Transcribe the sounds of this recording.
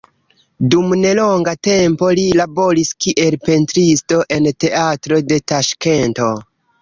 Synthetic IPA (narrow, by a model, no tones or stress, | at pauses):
dumne̞lo̞ŋɡate̞mpo̞lilabo̞ɾiskiʔe̞lpe̞ntɾisto̞ʔe̞nte̞atɾo̞de̞taʃke̞nto̞